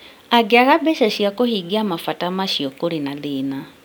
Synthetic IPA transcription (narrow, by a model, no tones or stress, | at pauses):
aɡeaɣabɛsɛɕjakohiɡiamafatamaʃiɔkoɾinalɪna